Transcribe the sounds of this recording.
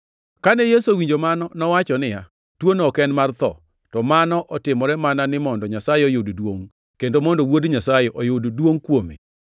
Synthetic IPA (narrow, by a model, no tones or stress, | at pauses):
kanɛjesowiɲd͡ʒomanɔnɔwat͡ʃɔnɪja | twonɔkɛnmart̪ɔ̰ | tɔmanɔʔɔtɪmɔɾɛmananɪmɔndɔɲasajɛojoddwoŋ | kendomɔndowodɲasajeʔojoddwoŋkwomḛ